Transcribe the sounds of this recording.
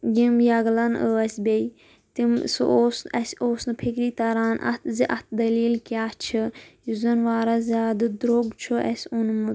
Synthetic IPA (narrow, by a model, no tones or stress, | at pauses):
ɡimjɐɡlɐnəɐsʲbʲej | t̪imsɨ̰ʔoːsnɐsʲoːsnɨpʰekɾiːt̪ɐɾaːnʔɐ̰t̪ʰziʔɐt̪̚ʰd̪ɐliːlkʲaːt͡ʃʰɨjizɐnʋaːɾɐzʲaːd̪ɨd̪ɾoɡt͡ʃʰɨʔɐsʲunmɨ